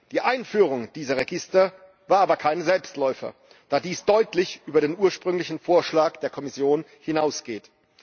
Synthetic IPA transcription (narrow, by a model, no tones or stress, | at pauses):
d̥iːʔaɪnfyːʁ̞ʊŋd̥iːzɐʁeɡɪstɐ | vaːɐʔaːbɐkʰaɪnzɛlpstlɔʏfɐ̰ | d̥aːdiːsd̥ɔʏtlɪçʔyːbɐɾeːnuːɐʃpʁ̥ʏŋlɪçn̩foːɐʃlaːkd̥eːɐkʰɔmɪsjoːn | hɪnaʊsɡ̥eːt